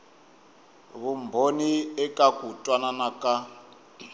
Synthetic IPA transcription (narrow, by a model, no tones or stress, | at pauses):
βumbʱoniɛkʼakutʼwananakʼa